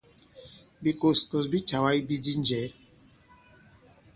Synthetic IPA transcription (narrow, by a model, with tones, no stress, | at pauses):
bi˨ko˦˨sko˨sbi˦ta˨wa˦i˦bi˦di˦n˦d͡ʒɛ˨˦